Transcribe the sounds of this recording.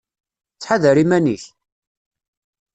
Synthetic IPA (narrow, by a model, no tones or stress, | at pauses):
t͡sːħaðəɾimæniç